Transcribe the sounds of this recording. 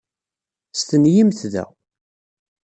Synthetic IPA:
st̪ənjimθðæ̰

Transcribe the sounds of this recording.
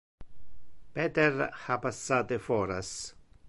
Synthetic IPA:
peːt̪eɾhapasːaːt̪efɔːɾa̰s

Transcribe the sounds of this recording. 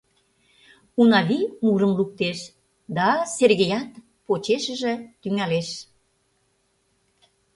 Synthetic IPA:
unɑβimuɾəmluk̚t̪eʃ | d̪ɑserɣejɑt̪ | pot͡ɕeʃə̆ʒĕt̪yŋæleʃ

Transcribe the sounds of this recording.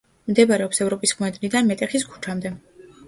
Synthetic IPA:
md̪ɛbaɾɛɔpsɛvɾɔpʼisχmɛd̪ʼnid̪anmɛt̪ʼɛχiskʰu̥t͡ʃʰamd̪ɛ

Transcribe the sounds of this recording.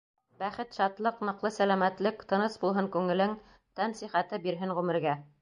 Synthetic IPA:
bæχɘt̪ʃɑt̪lˠɤqnɤ̆qlˠɤsælæmæt̪lɘkt̪ɤ̆nɤsbulˠɦɤŋkʉŋɘ̆lɘŋ | t̪ænsiχæt̪ɘbiɾɦɘŋʁʉmɘ̆ɾɡæ

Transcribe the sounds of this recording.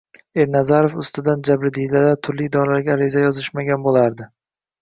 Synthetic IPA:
e̞ɾnazaɾofʊst̪ɪd̪and͡ʒabɾɪd̪ijlad̪at̪ʰʊɾlɪd̪ɒlaɾɡʲaːɾɪzajɒzɪʃmaɡʲanbolˠaɾd̪ɪ

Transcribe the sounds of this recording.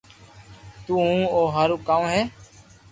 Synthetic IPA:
t̪uːɦũːoːɦəɾuːkãːũːɦɛː

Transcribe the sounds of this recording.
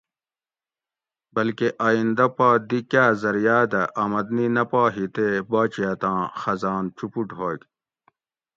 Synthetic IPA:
bɐlkeʔaːind̪ɐpaːd̪ikjaːzɐɾjaːd̪ɐʔɐmɐd̪ninɐpaːɦit̪ebaːt͡ɕijaːt̪ãːxɐzaːnt͡ɕupuɖɦoːɡ

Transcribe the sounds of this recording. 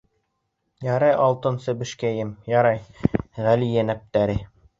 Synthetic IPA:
jɑɾɑjʔɑlˠt̪ɤ̆nsɘbɘ̆ʃkæjɘmjɑɾɑjʁælijænæp̚t̪æɾɘ

